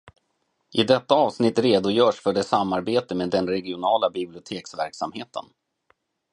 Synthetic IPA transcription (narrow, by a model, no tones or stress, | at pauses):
ʔɪd̪ɛt̪ːaɑːvsnɪt̪ːɾeːd̪ʊjœːʂfœɖɛsamːaɾbeːt̪əmeːd̪ɛnɾɛɡɪʊnɑːlabɪblɪʊt̪ʰeːksvæ̰ɾksamheːt̪ʰə̰n